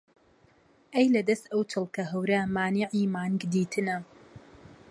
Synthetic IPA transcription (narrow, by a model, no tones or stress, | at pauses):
ʔejlɐd̪ɐst̪ɐwt̪ʰɨlˠkɐɦɐwɾamaːniʕiːmaːnɡd̪iːt̪ʰɨnɐ